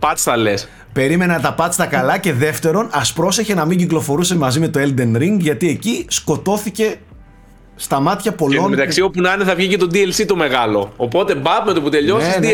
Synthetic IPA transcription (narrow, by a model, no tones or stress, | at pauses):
pɐt̪sθɐles | pe̞ɾime̞nɐnt̪ɐpɐst̪ɐkɐlɐce̞ðe̞ft̪e̞ɾo̞nɐspɾo̞se̞çe̞nɐmiɲɟiklo̞fo̞ɾusemɐzime̞t̪oeld̪e̞nɾiŋɡʝɐt̪ie̞cisko̞t̪o̞θice̞ | st̪ɐmɐt̪çɐpo̞lonmet̪ɐksiopunɐneθɐvʝicet̪od̪ielsit̪ome̞ɣɐlo̞ːpo̞t̪e̞bɐvmet̪oput̪eʎosis